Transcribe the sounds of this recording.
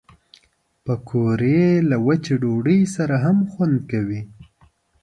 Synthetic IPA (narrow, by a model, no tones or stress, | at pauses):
pəkʰoɾelawat͡ʃeɖoɖəjsaɾaɦamxwand̪̚kawi